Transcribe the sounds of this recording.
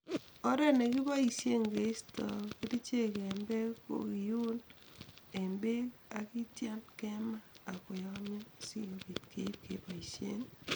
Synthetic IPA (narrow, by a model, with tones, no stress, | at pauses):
ɔ˦ɾɛ˦ne˨kɪ˦bɔ˦i˨se˦ŋɡe˨˦stɔ̰˨ki˦ti˦t͡ʃe˦ke˨mbe˦ko̰˨i˨ju˦n | e˨mbe˦a˨ki˦tja˦mkɛ˦ma˦a˨kʊ˨jɔ˦mjɔ˦˨si˦jo˨bi˨tkʰe˨˦p̚ke˨˦bɔ˨i˨sjḛ˦n